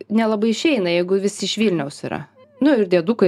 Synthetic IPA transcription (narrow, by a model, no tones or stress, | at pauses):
nʲɛlˠɐbɐɪɪʃʲɛɪnɐjɛɪɡʊʋʲɪsʲɪɪʃʋʲiːlʲnʲɛʊsḭːɾɐ̰ | nʊɪɾd̪ʲiɛd̪uːkɐ